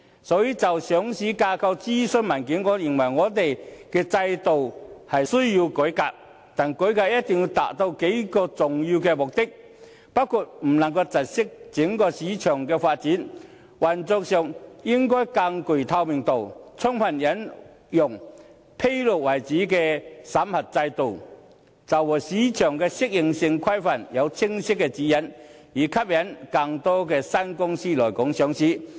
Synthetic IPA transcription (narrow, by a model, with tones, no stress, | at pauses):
sɔː˨˥jiː˧t͡sɐ˨wsœː˨˥ŋsiː˨˥kaː˧kʰɐ˧wt͡siː˥sɵ˧nmɐ˨˩nkiː˨˥nŋɔː˨˧jɪ˨˩ŋwɐ˨˩jŋɔː˨˧t̪̬e˨jkɛː˧t͡sɐ˧jt̪o˨whɐ˨jsɵ˥ɥjiː˧wkɵ˨˥ka̰ː˧k̚ | t̪aː˨nkɵ˨˥kaː˧jɐ˥t̚t̪ɪ˨ŋjiː˧wt̪a̰ː˨k̚t̪o˧wke˨˥jkɔː˧t͡sʊ˨ŋjiː˧wkɛː˧mʊ˨k̚t̪ɪ˥k̚ | pɐ˥kʰu˨t̚m̩˨˩nɐ˨˩ŋkɐ˧t͡sɐ˨˩t̚sɪ˥k̚t͡sɪ˨˥ŋkɔː˧siː˨˥t͡ʃʰœː˨˩ŋkɛː˧faː˧t̚t͡siː˨˥n | wɐ˨˩nt͡sɔː˧k̚sɛː˨˩˨ŋjɪ˥ŋkɔː˥jka˧ŋkɵ˨˩jt̪ʰɐ˧wmɪ˨ŋt̪o˨wt͡sʰɔ˥ŋpʰɐ˨˩njɐ˨˥n | jʊ˨˩ŋ | pʰe˥jlʊ˨k̚wɐ˨˩jt͡siː˨˥kɛː˧sɐ˨˥mhɐ˨t̚t͡sɐ˧jt̪o˨w | t͡sɐ˨˩wwɔː˨˩siː˨˥t͡ʃʰœː˨˩ŋkɛː˧sɪ˥k̚jɪ˨ŋsɪ˧ŋkʰɐ˥jfɐ˨˩njɐ˨˧wt͡sʰɪ˥ŋsɪ˥kːɛː˧t͡siː˨˥jɐ˨˥n | jiː˨˩kʰɐ˥p̚jɐ˨˥nkɐ˧ŋt̪ɔː˥kɛː˧sɐ˥nkʊ˥ŋsiː˥lɔː˨˩jkʊ˨˥ŋsœː˨˥ŋsiː˨˥